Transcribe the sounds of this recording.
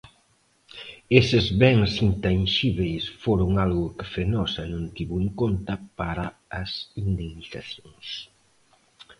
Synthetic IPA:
esɪzβɛŋsint̪anʃiβejsfoɾʊŋalɣʊkɪ̥fenɔsɐnõnt̪iβʊeŋkont̪ɐpaɾɐːsind̪eŋniθaθjoŋs

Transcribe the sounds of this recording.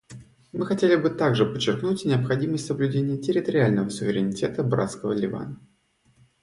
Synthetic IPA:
mɨxɐtʲelʲɪbɨt̪aɡʐɨpət͡ɕːɪrknutʲnʲɪəpxɐdʲiməsʲtʲsəblʲʉdʲenʲɪjətʲɪɾʲɪt̪əɾʲɪalʲnəvəsʊvʲɪɾʲɪnʲɪtʲe̞t̪əbɾa̰t̪skəvəlʲɪva̰n

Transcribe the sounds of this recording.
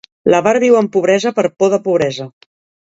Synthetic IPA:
ləβaɾðiwəmpuβ̞ɾɛzəpəɾpoðəpuβɾɛzə

